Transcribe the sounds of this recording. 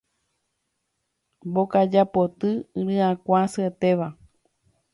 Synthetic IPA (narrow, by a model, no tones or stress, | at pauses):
bokad͡ʒapo̞t̪ɨɨ̃ɾɨãkʷãsɨet̪eʋa